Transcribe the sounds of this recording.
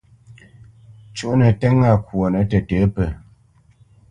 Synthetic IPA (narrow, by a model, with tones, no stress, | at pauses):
t͡ʃu˦ʔnə˨tɛ˦ŋa˦˨kwo˨nə˨˦tə˨təː˨˦pə˨